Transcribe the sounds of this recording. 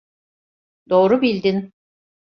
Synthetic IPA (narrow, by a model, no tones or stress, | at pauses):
d̪o̞ːɾubilʲd̪in